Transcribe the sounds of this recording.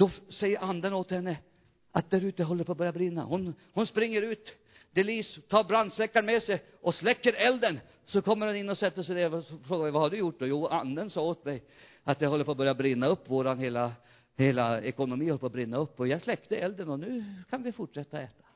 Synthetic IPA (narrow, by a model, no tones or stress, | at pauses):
d̪̥ɔsɛjːəɾand̪ənot̪hɛnːə | ʔat̪̚d̪æɾʉ̟ːt̪əɦɔlːəɾpʰɔːbœɾjabɾɪnːa̰hʊnhʊnspɾɪŋːəɾʉ̟ːt̪ | d̪̥ɛliːst̪ʰːɑːɾbɾand̪slɛkːaɳmɛsɛj | ɔslɛkːəɾɛld̪ən | sɔkʰɔmːəɾhʊnɪnːɔsɛt̪ːəʂɛd̪ɛfɾoːɡavɪvahaɖɵjʊʈ̚ːd̪ɔjuːand̪ənsɑːoːt̪mɛj | at̪̚jɛhɔlːəɾpʰɔːbœɾjabɾɪnːaɵpːvoːɾanheːla | heːlaɛkʊnʊmiːɔlːəpʰɔbɾɪnːaɵpːɔjɑslɛkt̪əɛld̪ənɔnʉ̟ːkʰanvɪfʊʈʂɛt̪ːaɔɛːt̪ḁ